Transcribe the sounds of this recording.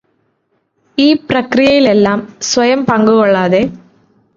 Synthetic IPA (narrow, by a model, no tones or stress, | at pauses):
iːprɐkrijɐjile̞lːaːmsʋɐjɐmpɐŋɡuɣoɭːaːðe